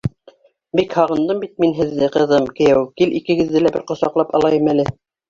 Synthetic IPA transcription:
bikhɑʁɤ̆nd̪ɤmbit̪̚minɦɘ̆ðːɘqɤ̆ðɤmkɘ̆jæwkilʔikɘ̆ɡɘ̆ðːɘlæbɘ̰ɾqŏsɑqlˠɑpɑ̰lˠɑjɤmælɘ

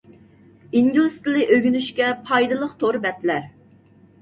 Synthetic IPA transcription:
iŋɡulˠɨst̪ɾlɨʔøɡʲynyʃkʲɛpʰɑjd̪ɨlˠəqt̪ʰoɾbɛt̪læɾ

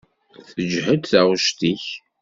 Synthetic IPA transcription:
θəd͡ʒhəd̪θæʁʃt̪iç

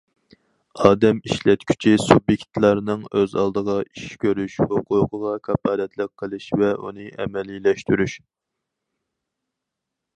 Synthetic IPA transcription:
ɑːd̪ɛmiʃlɛt̪kʲʰy̥t͡ʃʰisubjekʲt̪lˠɑɾnɨŋøzɑ̰lˠd̪əʁɑiʃkʲʰøɾyʃhoqʰuːqʰəʁɑkʰɑpɑːd̪ɛt̪ʰlɨk̚qʰːəlˠɨʃvɛʔṵnɨʔɛ̰mɛlilɛʃt̪yɾyʃ

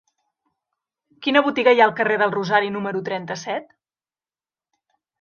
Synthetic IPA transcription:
kinəβut̪iɣəjaəlˠkəreðəlˠruzaɾinuməɾut̪ɾɛnt̪əsɛt̪

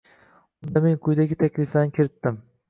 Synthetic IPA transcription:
ʊnd̪ameŋkʰʊjd̪aɡʲɪt̪ʰakʲlɪflanɪkʲʰɪɾɪt̪ːɪm

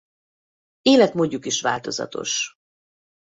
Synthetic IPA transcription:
eːlɛt̪moːɟːukiʃʋa̰ːlt̪o̞zɒ̰t̪o̞̰ʃ

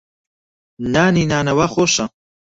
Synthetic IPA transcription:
naːninaːnɐwaχoʃa

